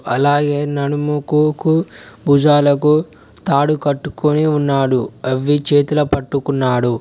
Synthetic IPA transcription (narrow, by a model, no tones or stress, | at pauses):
ɐlaːɡeːnɐɽumukukubuːd͡ʒaːlɐku | t̪aːɽukɐʈːu̥kuniunːaːɽuɐʋːit͡ʃeːt̪ulɐpɐʈːukunːaːɽu